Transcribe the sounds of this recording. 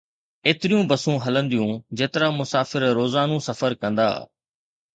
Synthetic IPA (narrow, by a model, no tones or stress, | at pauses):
eːt̪ɪɾijũbɐsũɦɐlə̃nd̪ijũd͡ʑeːt̪ɪɾamʊsaːfɪɾɾoːzaːnũːsɐfəɾkɐ̃nd̪a̰ː